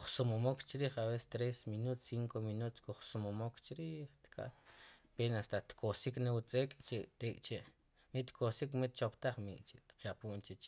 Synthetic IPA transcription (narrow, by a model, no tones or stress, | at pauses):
χsumomokt͡ʃiɾiːχabest̪ɾesminut̪siŋkominut̪kuχsumomokt͡ʃiɾiːχt̪kʰʼa̰t̪penast̪at̪kʰosiknawut͡sʼeːkʼt͡ʃet̪eːkʼt͡ʃeʔ | mit̪kʰosikmit̪̚t͡ʃopt̪aχmḭʔt͡ʃet̪qjapuːʔnt͡ʃet͡ʃ